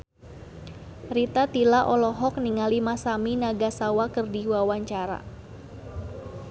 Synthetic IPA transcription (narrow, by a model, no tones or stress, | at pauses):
ɾit̪at̪ilaʔɔlɔɦɔk̚niŋalimasaminaɡasawakərdiwawaɲt͡ʃaɾa̰